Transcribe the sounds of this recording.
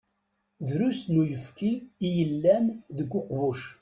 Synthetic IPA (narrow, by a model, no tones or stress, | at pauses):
ðɾusnujəfkiijəlːæmðəɡʷːoqvuʃ